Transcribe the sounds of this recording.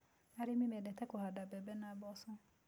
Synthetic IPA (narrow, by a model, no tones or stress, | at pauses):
aɾɪmĩmɛ̃dɛtʰɛkʰʊhadabɛbɛnãabɔsʊ̃